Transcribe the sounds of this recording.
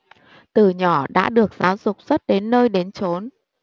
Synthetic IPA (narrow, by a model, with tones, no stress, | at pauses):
t̪ɨ˨˩ɲɔ˧˩ɗa̰ː˧˥ɗɨ˨˩ək̚z̥aː˨˦wzʊ˨˩k͡p̚z̥ə˦˥t̚ɗe˨˦nːəː˧jɗe˨˦nt͡ɕo˨˦n